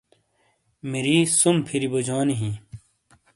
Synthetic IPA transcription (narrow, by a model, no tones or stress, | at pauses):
miɾiːsumpʰiɾibod͡ʑaːniɦĩ